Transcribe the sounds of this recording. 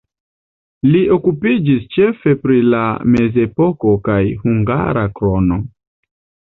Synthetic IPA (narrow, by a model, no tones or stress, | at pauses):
liʔo̞kupid͡ʒist͡ʃe̞fe̞pɾilame̞ze̞po̞ko̞kajhuŋɡa̰ɾakɾo̞no̞